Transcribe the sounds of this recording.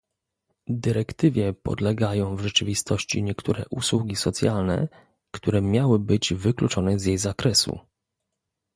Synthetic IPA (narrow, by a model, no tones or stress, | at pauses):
d̪ɘɾɛkt̪ɘvʲjɛpɔ̰d̪lɛɡajɔ̃w̃vʐɛt͡ʂɘvʲist̪ʰɔɕt͡ɕḭɲɛkt̪ʰuɾɛ̰ʔuswuɡʲisɔt̪sʲjalnɛ̰ | kt̪uɾɛmʲjawɘbɘd͡ʑvɘklut͡ʂɔnɛzjejzakɾɛsṵ